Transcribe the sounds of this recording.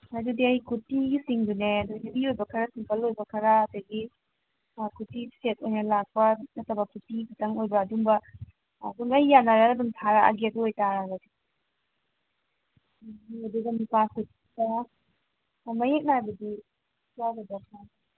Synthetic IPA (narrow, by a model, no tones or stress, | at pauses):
adudiɐjikutiɡisiŋduneɐdoɡnibiojbɐkʰɐɾɐsiŋkʰɐlojbɐkʰɐɾaːdɐɡi | kʰutiset̚ojnɐlak̚pɐɐtɐbɐkʰutikʰitɐŋojbɐːduŋbɐː | duŋɐijanːaɾaɐduŋtʰaɾaa̰ɡeɐduojtaɾaɡadi | oduɡɐmipaset | taa | mɐjek̚najbɐdi | saɡɐdɔkna